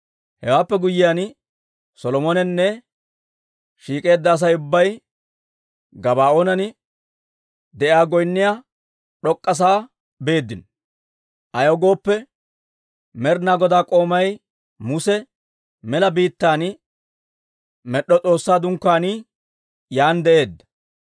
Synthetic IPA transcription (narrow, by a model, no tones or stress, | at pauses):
hɛwaːpːɛɡʊjːɪjaːn | sɔlɔmɔnɛnːɛ | ʃiːkʼe̞ːd̪ːɐːs̬ɐjʊbːɐj | ɡɐbaːoːnɐnɪ | d̪ɛʔɪaːɡɔjnːɪja | ɗɔkʼːɐs̬aː | be̞ːd̪ːɪn | ʔɐjoɡo̞ːpːɛ | mɛɾnaːɡɔd̪aːkʼo̞ːmɐj | mʊsɛ | mɛlɐbiːt̪ːaːn | mɛɗːɔt͡sʼo̞ːsːaːd̪ʊŋkːaːnɪ | jaːnd̪ɛʔe̞ːd̪ːɐ̥